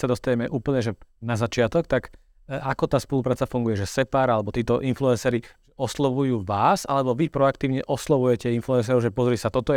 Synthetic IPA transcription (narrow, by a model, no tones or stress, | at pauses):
sad̪ɔst̪aɲɛmɛʔuːpl̩ɲɛʒɛnazat͡ʃɪat̪ɔkt̪ak | akɔt̪aːspɔlupɾaːt͡safuŋɡujɛʒɛsɛpaːɾalɛbɔt̪iːt̪ɔʔinfluɛnsɛːɾiʒ̥ɛɔslɔʋujuːʋaːsalɛbɔʋipɾɔakt̪iːʊɲɛʔɔslɔʋujɛcɛinfluɛns̬ɛːɾɔʊʒɛpɔzɾiːsat̪ɔt̪ɔ